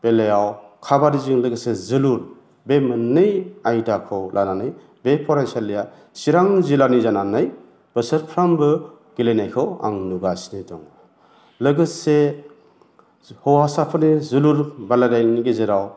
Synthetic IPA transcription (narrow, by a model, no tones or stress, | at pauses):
b̥elejawkʰabaɾiziŋlɐɡɯsezɯluɾ | bemɯnːɯjajdakʰɯwlʔananɯj | bepʰɔɾensialːija | siɾaŋzilanizananɯj | b̥əsəɾpʰɾambɯ | ɡ̥ilejnajkʰɯwa̰ŋnuɡasnijtɔŋ | lɐɡɯse | hɔwhasapʰɯnizɯluɾbaladajniɡezeɾaw